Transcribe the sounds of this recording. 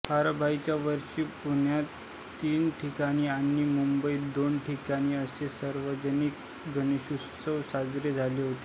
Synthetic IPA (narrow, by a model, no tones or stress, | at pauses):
baɾbʱait͡ɕjaʋəɾʂiːpuɳ̤jat̪ː | iːnʈʰikaɽ̃iːanːiːmumbəiːd̪onʈʰikaɽ̃iːəsesəɾʋəd͡ʑənik | ɡʱəniɕu | səwsad͡zɾed͡zʱaleɦot̪e̥